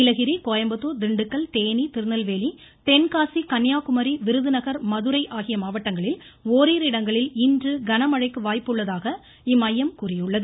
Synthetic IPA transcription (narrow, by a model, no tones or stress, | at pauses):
ɪlɐɣɪɾikoːjɐmbɐt̪ːoːd̪ɪɳɖɯkːɐɭt̪eːnit̪ɪɾɯnɐlʋeːli | t̪ɛnkaːsikɐnjaːkʊmɐɾiʋɪɾɯðɯnɐɣɐɾmɐðɯɾɐɪʔaːɣɪjɐmaːʋɐʈːɐŋɡɐɭɪl | oːɾiːɾɪɽɐŋɡɐɭɪlɪndrɯɡɐnɐmɐɻɐɪkːɯʋaːjpːɯɭːɐðaːɣɐ | ɪmɐjːɐmkuːrɪjɯɭːɐðɯ